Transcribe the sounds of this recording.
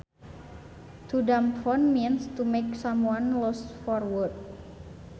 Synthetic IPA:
tudamfɔnminstumeksãmwãnlɔsfɔɹwɔd̚

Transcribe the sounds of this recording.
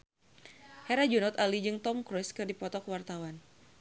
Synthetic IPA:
hɛɾad͡ʒunɔt̪alid͡ʒɨŋt̪ɔmkɾɔskɨrdipɔt̪ɔkəwart̪awan

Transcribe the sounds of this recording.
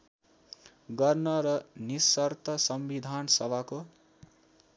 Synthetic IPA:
ɡʌrnʌɾʌnisʌrt̪ʌsʌmbid̪ʱansʌbako

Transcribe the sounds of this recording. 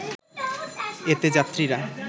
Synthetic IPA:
et̪ed͡ʑat̪ːɾiɾa

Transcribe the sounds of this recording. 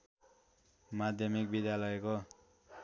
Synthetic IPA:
mad̪ʱjʌmik̚bid̪jalʌjko

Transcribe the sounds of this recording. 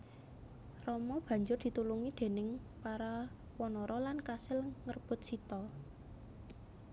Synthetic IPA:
rɔmɔb̥ä̤ɲd͡ʒʊrd̪̥i̤t̪uluŋid̪̥e̤nɪŋpaɾa | wɔnɔɾɔlankasɪlŋərb̥ʊ̤t̪̚sit̪ɔ

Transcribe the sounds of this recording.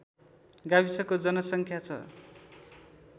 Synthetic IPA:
ɡabisʌkod͡zʌnʌsʌŋkʰjat͡sʰʌ̰

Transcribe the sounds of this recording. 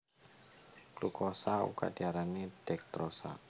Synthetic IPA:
lukɔsaṵka̰diaɾanid̥ɛk̚t̪ɾɔsa̰

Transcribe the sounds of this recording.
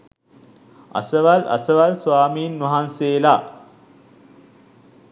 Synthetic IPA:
ɐ̰səʋalʔɐ̰səʋalsʋaːmiːnːɐɦanseːla

